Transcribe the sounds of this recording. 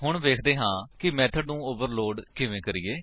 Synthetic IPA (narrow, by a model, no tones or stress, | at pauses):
ɦʊɳʋeːkʰd̪eːɦãːkɪmɛːt̪ʰəɖnũːoʋəɾloːɖkɪʋẽːkəɾiːeː